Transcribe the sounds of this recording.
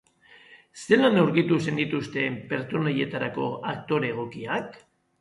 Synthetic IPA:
se̞lanewɾɣit̪use̞nd̪it̪ust̪e̞mpe̞ɾt͡so̞naje̞t̪aɾako̞̰ak̚t̪o̞ɾe̞ɣ̞o̞kiak

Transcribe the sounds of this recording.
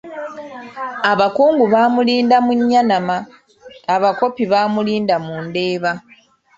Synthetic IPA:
aβakuːŋɡuβaːmuliːndamuɲːanamaː | βako̞piβaːmuliːndamuːnde̞ːβa

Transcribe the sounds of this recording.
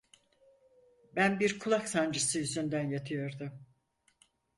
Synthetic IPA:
bænbiɾkʰulˠaksand͡ʒɯsɯjyzynd̪ænjat̪ʰɯjo̞ɾd̪ʊm

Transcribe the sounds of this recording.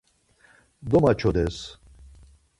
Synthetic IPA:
d̪ɔmat͡ʃʰɔd̪ɛs

